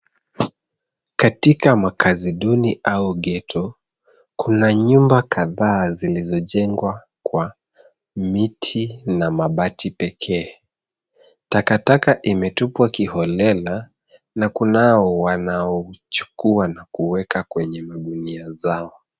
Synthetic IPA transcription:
katikamakʰaziɗuniʔauɠɛtʰɔ | kunaɲumbakaðaːzilizɔʄɛŋɡwa | kwa | mitʰinamaɓatʰipɛkʰɛː | takatakaʔimɛtupwakihɔlɛla | nakunaɔwanaɔt͡ʃu̥kuanakuwɛkakwɛɲɛmaɗuniazaɔ

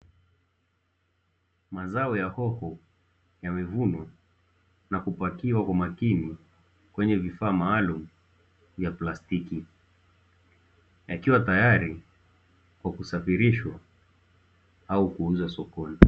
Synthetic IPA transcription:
mazaɔjahɔhɔ | jamɛvunwa | nakupakiwakwamakini | kwɛɲɛvifaːmaːlumu | vjaplastiki | jakiwatajaɾi | kwakusafiɾiʃwa | aukuun̩zasɔkɔni

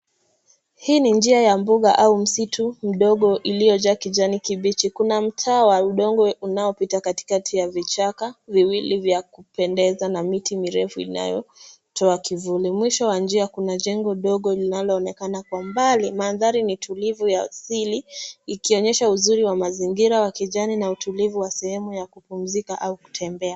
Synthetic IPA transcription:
hiːnind͡ʒiajambuɠaʔaum̩sitʰum̩ɗɔɠɔʔilijɔʄakid͡ʒanikiɓit͡ʃikunam̩tʰaːwauɗɔŋɡɔunaɔpitakati̥katʰijavit͡ʃakaviwilivjakupɛndɛzanamitimiɾɛfuḭna̰jɔ̰ | tʰɔakivulimwiʃɔwand͡ʒiakunaʄɛŋɡɔɗɔɠɔlinalɔːnɛkanakwambalimanðaɾinitʰulivujasiliːkiɔɲɛʃauzuɾiwamaziŋɡiɾawakiʄaninautulivuwasɛhɛmujakupum̩zikaʔauku̥tʰɛmbɛa

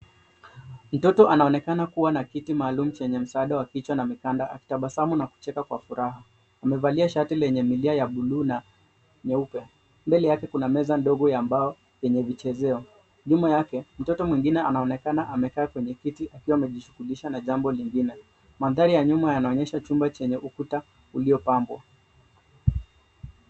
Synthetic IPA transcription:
m̩tɔtɔʔanaɔnɛkanakuwanakitimaːlum̩t͡ʃɛɲɛm̩saaɗawakit͡ʃwanamikandaʔa̰ki̥taɓasamunaku̥t͡ʃɛkakwa̰fuɾaɦa | amɛvaliaʃatilɛɲɛmiliajaɓuluːna | ɲɛupɛ | mbɛlɛjakɛkunamɛzandɔɠɔjambaɔ | jɛɲɛvit͡ʃɛzɛɔ | ɲumajakɛm̩tɔtɔmwiŋɡinɛanaɔnɛkanaʔamɛkaːkwɛɲɛkitiʔakiwaːmɛʄiʃu̥ɣuliʃanaʄambɔliŋɡinɛ | maðaɾijaɲumajanaɔɲɛʃat͡ʃumbat͡ʃɛɲɛʔukuta | uliɔpambwa̰

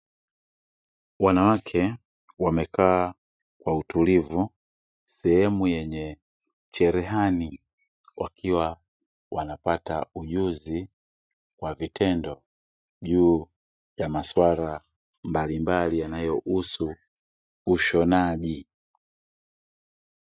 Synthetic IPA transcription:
wanawakʰɛ | wamɛkʰaː | kwautulivu | sɛhɛmujɛɲɛ | t͡ʃɛɾɛɦani | wʔakʰiwa | wanapatauʄuzi | kwavitʰɛndɔ | ʄuː | jamaswaɾa | mbalimbalijanajɔʔusuː | ʃɔnaʄi

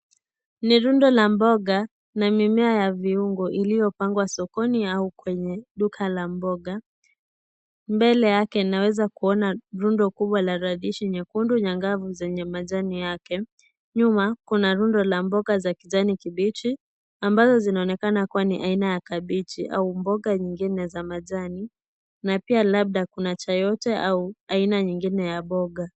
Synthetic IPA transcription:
niɾundɔlambɔɠa | namimɛajaviuŋɡɔʔilijɔpaŋɡwasɔkɔniaukwɛɲɛɗukʰalambɔɠa | mbɛlɛjakɛinawɛzakuɔnaɾundɔkuɓwalaɾaðiʃiɲɛkunduɲaŋɡavuzɛɲɛmaʄanijakɛ | ɲumakunaɾundɔlambɔɡazakiʄanikiɓit͡ʃi | ambazɔzinaɔnɛkanakuwaniʔainajakaɓit͡ʃiʔa̰umbɔɠaɲiŋɡinɛzamaʄani | napialaɓ̚ɗakunat͡ʃajɔtɛʔauainaɲiŋɡinɛjaɓɔɡa

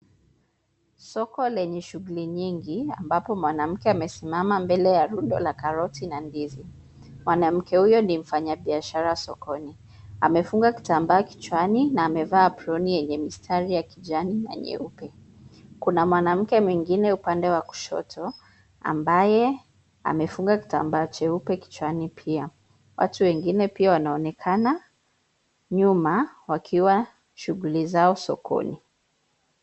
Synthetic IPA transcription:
sɔkɔlɛɲɛʃuɣuliɲiŋɡia̰mbapɔmwanam̩kɛamɛsimamambɛlɛjaɾundɔ̰lakaɾɔtinandizi | mwanam̩kɛhujɔnim̩faɲaɓiaʃaɾawasɔkɔni | a̰mɛfuŋɡaki̥tambaːki̥t͡ʃwaninaːmɛvaːpɾɔnijɛɲɛmistʰaɾijakiʄanina̰ɲɛ̰upɛ | kunamwanam̩kɛmwiŋɡinɛupandɛwaku̥ʃɔ̰tʰɔ | a̰mbajɛ | a̰mɛfuŋɡaki̥ta̰mbaːt͡ʃɛupɛki̥t͡ʃwanipʰia | wʔa̰tuwɛŋɡinɛpiawanaɔnɛkʰana | ɲumawakʰiwa | ʃuɣulizaɔsɔ̰kʰɔ̰ni

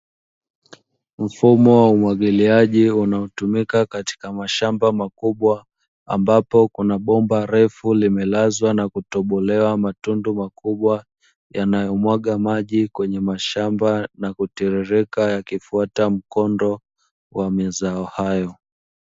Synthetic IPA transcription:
m̩fumɔwaumwaɠiliaʄiunaɔtumikakati̥kamaʃambamakuɓwa | a̰mbapɔkunaɓɔmbaɾɛfulimɛlazwanakutɔɓɔlɛwamatundumakuɓwa | janajɔmwaɠamaʄikwɛɲɛmaʃambanakutiɾɛɾɛkajakifuatam̩kɔndɔ | wamɛzaɔhajɔ

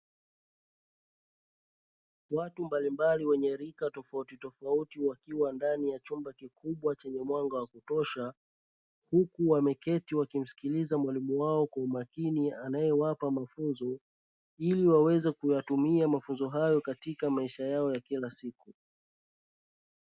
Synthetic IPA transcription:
watumbalimbaliwɛɲɛɾikatɔfautitɔfautiwakiwandanijat͡ʃumbakikʰuɓwat͡ʃɛɲɛmwaŋɡawakutɔʃa | hukuwamɛkɛtiwakim̩si̥kilizamwalimuwaɔkwaumakinianajɛwapamafunzɔ | iliwawɛzɛkujatumiamafunzɔɦajɔkatikamaiʃajaɔjakilasiku

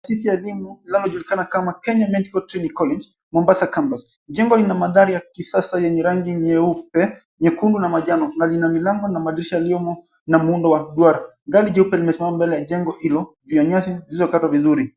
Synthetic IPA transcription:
tasisijaɛlimuinalɔʄulikanakamakɛɲamɛntikɔltɾɛnikɔlɛnd͡ʒ | mɔmbasakambas | ʄɛŋɡɔlinamaðaɾijakisasajɛɲɛɾaŋɡimɛupɛ | mɛkundunamaʄanɔnalinamilaŋɡɔnamaɗiɾiʃajaliɔmɔ | namuundɔwaɗwaɾaŋɡaliʄɛupɛlimɛsimamambɛlɛjaʄɛŋɡɔhilɔʄujaɲasizilizɔkatwavizuɾi

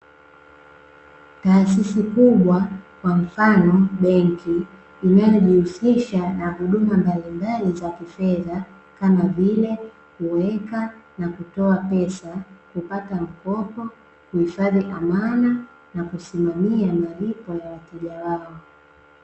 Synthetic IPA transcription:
taːs̬isikuɓwakwaɱ̩fanɔɓɛŋkiː | najɔʄihusiʃanaɦuɗumambalimbalizakifɛða | kamavilɛ | kuwɛkanakutɔapɛsakupatam̩kɔpɔ | kuhifaðiʔamana | nakusimamiamalipɔjawatɛʄawaɔ

